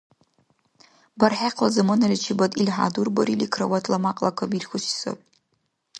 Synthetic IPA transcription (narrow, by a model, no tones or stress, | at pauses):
barħaqʰlazamɨnalʲit͡ʃʰibatʼilħa̰durbaɾilikʰrawatʰlamaqʼlakʷʰabirxʷʊʃso̰pʼ